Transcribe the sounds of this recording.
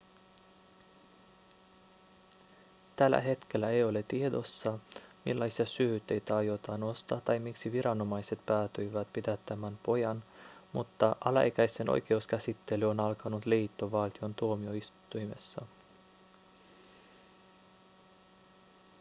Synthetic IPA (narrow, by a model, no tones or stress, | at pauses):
t̪ælːæ̰ɦe̞t̪k̟e̞lːæejo̞le̞t̪ie̞d̪o̞sːɑmḭlːɑjsiɑsyːyt̪ːejt̪æɑjo̞t̪ɑno̞st̪ɑt̪ːɑjmiksiʋiɾɑno̞mɑjse̞t̪pæːt̪yjʋæt̪pit̪æt̪ːæmænpo̞jɑnmut̪ːɑʔɑlɑ̰ḛkæjse̞nʔo̰jke̞uskæsit̪ːe̞lyo̞nɑlkɑnut̪liːt̪ːo̞ʋɑlt̪io̞nt̪uo̞mio̞ist̪ːujme̞̰sːɑ